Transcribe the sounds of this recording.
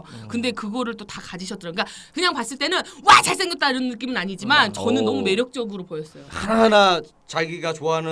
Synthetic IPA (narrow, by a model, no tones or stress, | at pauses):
kɯnde̞kɯɡʌɾɯɭt͈otakad͡ʑiɕʰʌt͈ɯɾʌnk͈a | kɯɲaŋpas͈ɯɭt͈e̞nɯnwat͡ɕaɭs͈eŋjʌp̚t͈aiɾʌnnːɯk͈imɯnaɲid͡ʑimant͡ɕʌnɯnːʌmume̞ɾjʌk̚t͡ɕ͈ʌɡɯɾopojʌs͈ʌjoɯɾna | t͡ɕaɭɡiɡat͡ɕoɦanɯ